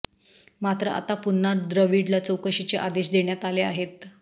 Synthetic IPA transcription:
mat̪ɾəa̰t̪apunːad̪ɾəʋiɽlat͡səwkəɕit͡ɕeʔad̪eɕd̪eɳjat̪aleaɦet̪̚

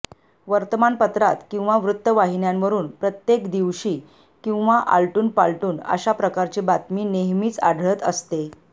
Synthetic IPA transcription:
ʋəɾt̪əmanpət̪ɾat̪kĩw̃ʋaʋɾut̪ːəʋaɦinjamʋəɾuːnpɾət̪jekd̪iʋɕiː | kĩw̃ʋaʔa̰lʈuːnpaɭʈuːnə̰ɕapɾəkaɾt͡ɕibat̪miːneɦmiːt͡sa̰ɽʱɭət̪ə̰st̪e

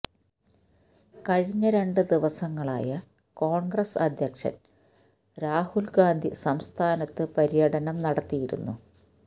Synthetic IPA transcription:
kɐɻiɲːɐɾe̞ɳɖɨd̪iʋɐsɐŋːɐɭa̰ːjɐ | ko̞ːɳɡrɐsɐd̪ʱjɐkʂɐ̰n | ɾaːhulɡaːnd̪ʱisɐmst̪ʰaːnɐt̪ːɨpɐɾijɐɽɐnɐmnɐɽɐt̪ːijiɾṵnːṵ

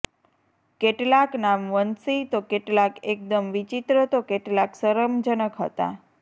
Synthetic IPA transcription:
keʈlaknamʋənsit̪okeʈlakek̚d̪əmʋit͡ʃit̪ɾət̪okeʈlaksəɾəmd͡ʒənəkɦə̰t̪a̰

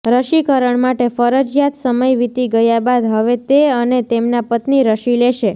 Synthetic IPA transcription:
ɾəʃikəɾəɳmaʈefəɾəd͡ʒjat̪ʰsəməjʋit̪iɡəjabad̪ɦəʋet̪eənet̪emnapət̪niɾəʃileʃe

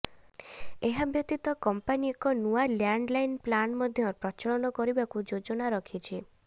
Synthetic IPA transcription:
eɦabjɔt̪it̪ɔkɔmpaniɔkɔnualjaɳɖlajnplanmɔd̪ʱjɔpɾɔt͡ʃɔɭɔnɔkɔɾibakud͡ʒod͡ʒɔnaɾɔkʰit͡ʃʰi

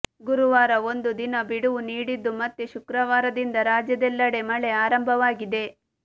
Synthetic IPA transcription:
ɡuɾuʋaːɾɐo̞nd̪ud̪inɐbiɽuʋuniːɽid̪ːumɐt̪ːeʃukɾɐʋaːɾɐd̪ind̪ɐɾaːd͡ʒjɐd̪ɛlːɐɽe̞mɐɭe̞aːɾɐmbʱɐʋaːɡid̪e̞

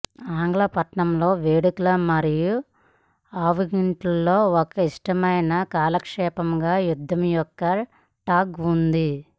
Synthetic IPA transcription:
aːŋɡlɐpɐʈɳɐmlo̞ːʋeːɽuklɐmɐɾiju | aːʋuɡiɳʈulːo̞ːɔkɐiʂʈɐmɐjnɐkaːlɐkʂɛːpɐmɡaːjud̪ʱːɐmjɔkːɐ | ʈaːkund̪i

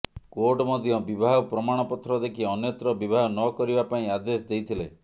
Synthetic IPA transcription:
koɾʈɔmɔd̪ʱjɔbibʱaɦɔpɾɔmaɽ̃ɔpɔt̪ʰɾɔd̪ekʰiɔnjɔt̪ɾɔbibʱaɦɔnɔkɔɾibapaĩad̪esd̪ejt̪ʰile

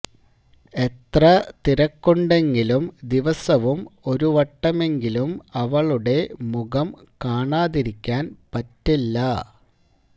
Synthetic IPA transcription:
e̞t̪rɐt̪iɾɐkːoɳɖe̞ŋɡilumd̪iʋɐsɐʋumo̞ɾuʋɐʈːɐme̞ŋɡilumɐʋɐɭuɽe̞muɣɐmkaːɳaːðiɾikʲːaːnpɐtːilːɐ

